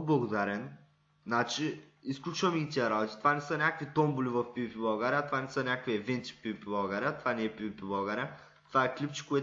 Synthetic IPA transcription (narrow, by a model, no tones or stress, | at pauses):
blˠɐɡod̪aɾɛn | nat͡ʃi | isklʲut͡ʃvɐmɛɡʲit̪iɛɾabot̪i̥t̪ovanɛsənʲakvit̪ɔmbulivɐfpipibaɡaɾʲiat̪ovanɛsənʲakviɛvɛnt̪si̥pivipibˠaɡaɾʲat̪vanɛɛpiipibˠaɡaɾʲa | t̪ovaɛklʲipt͡ʃi̥koɛ